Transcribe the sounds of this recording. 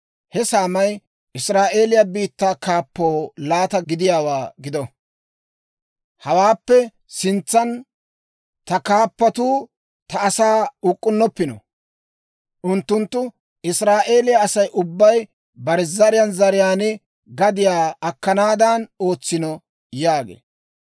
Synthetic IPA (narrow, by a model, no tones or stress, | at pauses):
hɛsaːmɐj | ʔɪsɾaːʔe̞ːlɪjɐbiːt̪ːaːkaːpːoːlaːt̪ɐɡɪd̪ɪjaːwaːɡɪd̪ɔ | hɐwaːpːɛ | sɪnt͡sːɐn | t̪ɐkaːpːɐt̪uː | t̪ɐʔːsaːʊkʼːʊnːɔpːɪnɔ̰ | ʔʊnt̪ːʊnt̪ːʊ | ɪsɾaːʔe̞ːlɪjɐɐsɐjʔʊbːɐj | bɐɾɛzɐɾɪjɐnzɐɾɪjaːnɛ | ɡɐd̪ɪjaːɐkːɐnaːd̪ɐno̞ːt͡sːɪnɔ | jaːɡḛː